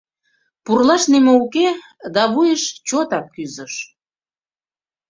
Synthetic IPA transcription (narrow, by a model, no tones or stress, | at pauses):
purlɑʃnimouke | d̪ɑβujəʃt͡ɕot̪ɑkːyzəʃ